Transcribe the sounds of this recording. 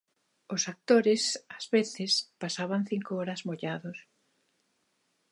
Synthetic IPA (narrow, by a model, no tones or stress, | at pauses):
ʊsak̚t̪oɾɪsazβeθɪspasaβaŋθiŋkoɔɾɐzmoʎaðʊs